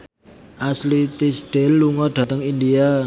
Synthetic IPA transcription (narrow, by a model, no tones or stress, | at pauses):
ʔaslit̪isɖ̥elːuŋɔɖ̥a̤t̪əŋind̪ia